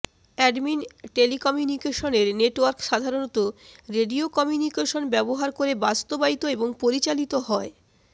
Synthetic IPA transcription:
ɛɖminʈelikɔmjunikeʃoneɾneʈwaɾkʃad̪ʱaɾonot̪oɾeɖiokɔmjunikeʃonbɛboɦaɾkoɾebast̪obait̪oeboŋpoɾit͡ɕalit̪oɦɔe

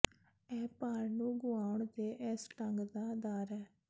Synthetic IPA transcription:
ɛːpaːɾnũːɡʊaːʊɳd̪eːʔɪsʈəŋɡd̪aːd̪aːɾɛː

